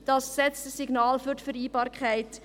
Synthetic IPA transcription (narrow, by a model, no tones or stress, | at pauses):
d̥ɑsksɛt͡stəsiɡnɑːlfyɾtfəɾiːbɑːɾkχaæɪt